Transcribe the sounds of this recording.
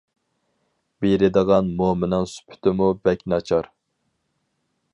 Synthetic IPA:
bejɾɪd̪əʁɑnmomɪnɑŋsy̥pʰy̥t̪ɪmubɛkʲnɑt͡ʃʰɑɾ

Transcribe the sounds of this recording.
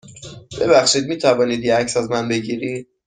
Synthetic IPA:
b̥e̞bæxʃiːd̪̚miːt̪ʰævɒːniːd̪jeæcsæzmænbe̞ɟiːɾid̪̥̚

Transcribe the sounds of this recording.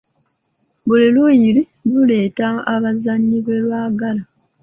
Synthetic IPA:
bulilujiɾi | lule̞ːtaaβazaɲːiβwe̞lwaːɡala

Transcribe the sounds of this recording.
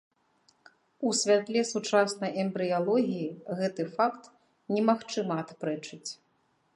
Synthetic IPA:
usʲvʲat̪lʲɛsut͡ʂasnɐjʔɛmbɾɨjalˠɔɣʲijiɣɛt̪ɨfakt̪ | nʲɛmaxt͡ʂɨmɐːt̪pɾɛt͡ʂɨt͡sʲ

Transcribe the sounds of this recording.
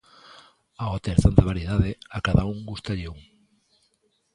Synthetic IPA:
aat̪eɾθant̪aβaɾjeðaðeakaðauŋɡust̪aʎeuŋ

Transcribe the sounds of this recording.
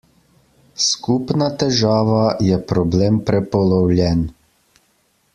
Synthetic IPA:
skupnat̪ɛʒaːʋajɛpɾɔbleːmpɾɛpɔlɔwlʲjɛn

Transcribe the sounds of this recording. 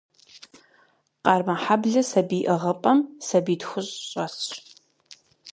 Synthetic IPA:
qɑːrmɐħabɮɐsɐbiːʔɐʁɐpʼɐmsɐbiːtxʷʊɕʼɕʼɐs

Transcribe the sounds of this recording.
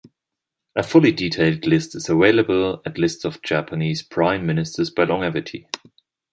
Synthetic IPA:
ʔəfʊliditʰeɪlˠdlɪstɨzəweɪləbəl̩ˠətˡlɪstsəv̥d͡ʒæpʰəniːz̥pʰɹ̥ãɪ̃mːɪ̃nɨstʰə˞zbaɪlɔ̃ŋɛvɨtʰḭ

